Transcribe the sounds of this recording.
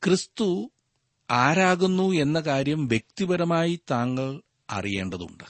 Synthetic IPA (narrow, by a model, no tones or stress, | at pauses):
krist̪u | aːɾaːɣunːue̞nːɐkaːɾjɐmʋjek̚t̪ibɐɾɐmaːjit̪aːŋːɐɭ | ɐ̰rije̞ːɳɖɐðṵɳɖɨ